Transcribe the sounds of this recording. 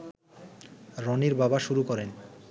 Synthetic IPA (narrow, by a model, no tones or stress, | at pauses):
ɾɔniɾbabaʃuɾukɔɾen